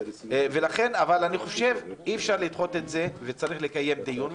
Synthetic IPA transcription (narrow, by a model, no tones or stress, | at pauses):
ve̞laχe̞navalaniχo̞ʃe̞viefʃaʁlid̪χo̞t̪etze̞vet͡saʁiχlekaje̞md̪ijun